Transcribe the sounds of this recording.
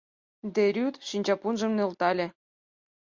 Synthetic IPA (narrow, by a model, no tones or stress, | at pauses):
d̪eɾʲyt̪ʃinʲt͡ɕɑpunʒɤ̆mnĕlt̪ɑlʲĕ